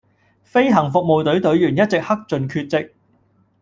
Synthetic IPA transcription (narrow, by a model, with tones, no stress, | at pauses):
fe˥jɦɐ˨˩ŋfʊ˨k̚mo˨wt̪ɵ˨˥ɥt̪ɵ˨˥ɥjyː˨˩njɐ˥t̚t͡sɪ˨k̚hɐ˥k̚t͡sɵ˨nkʰyː˧t̚t͡sɪ˨k̚